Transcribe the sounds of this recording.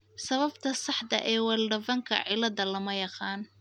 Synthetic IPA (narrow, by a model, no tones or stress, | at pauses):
sɐβɐbt̪ʰɐsɑħd̪ɐ̰ʔɛːwɐlɖɐvɐŋkʰɐ̰ʕɪlɐðɐlɐmɐjɑqɑːn